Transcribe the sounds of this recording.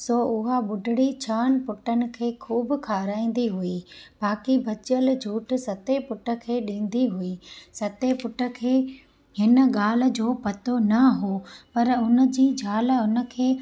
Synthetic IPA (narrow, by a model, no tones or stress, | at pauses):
soʊɦaɓʊɖʱɪɽit͡ɕʰaːnpʊʈənɪ̆kʰeːkʰuːbkʰaːɾaːĩːn̆d̪iɦuiːbaːkibʱɐt͡ɕəld͡ʑʱuːʈʰsɐt̪epʊʈə̆kʰeːɗĩːn̆d̪iɦuiːsɐt̪epʊʈə̆kʰeː | ɦɪnə̆ɠaːl̤̆d͡ʑoːpɐt̪onɐɦoːpɐɾʊnə̆d͡ʑiːd͡ʑʱaːlʊnə̆kʰeː